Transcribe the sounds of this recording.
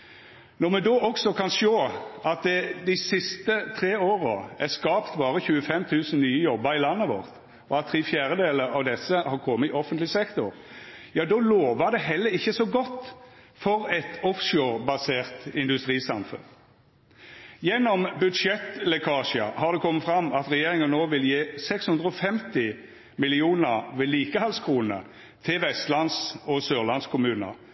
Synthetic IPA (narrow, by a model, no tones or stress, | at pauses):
nɔʁmɛd̪oːʔɔksɔkʰɑnʃoːɑt̪̚d̪ɛd̪ɪsɪst̪ət̪ʰʁeːoːʁəæʁskɑːpt̪bɑːʁəçʉːəfɛmt̪ʰʉːsn̩nyːəjɔbːəɾɪlɑnːəʋɔ̰ʁt̪ | ɔɑt̪ʰːʁiːfjæːɾəd̪eːləɑʋd̪ɛsːəhɑkʰɔmːəɪʔɔfənt̪lɪsɛkt̪ʊɾjɑːd̪ɔloːʋəd̪ɛɦɛlːəɾɪçːəsɔɡɔt̪ː | fɔʁɛt̪ʰɔfʃoːɾbɑseːʁt̪ɪnd̪ʉst̪ʁiːsɑmfʉ̰n | jɛnːɔmbʉd̪ʃɛt̪lɛkʰɑːʃə̰hɑʁd̪ɛkʰɔmːəfɾɑmɑt̪ʁɛjeːʁɪŋənnːoːʋɪljeːsɛkshʉnd̪ʁəɔfɛmt̪ɪ | mɪlɪuːnəʁʋɛliːkəhɑlskʰʁuːnə̰ | t̪ʰɪlʋɛst̪lɑnsɔsøːʁlɑnskʰʊmʉːnə̰